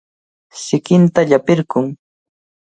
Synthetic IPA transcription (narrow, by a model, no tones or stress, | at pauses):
sɪkɪnt̪aʎapɪɾɢʊŋ